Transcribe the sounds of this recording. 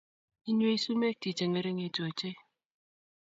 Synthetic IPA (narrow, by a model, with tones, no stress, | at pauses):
i˦ɲo˦i˦su˦me˦ti˨t͡ʃe˨ŋe˨ɾe˦ŋe˨to˨e˨t͡ʃe˦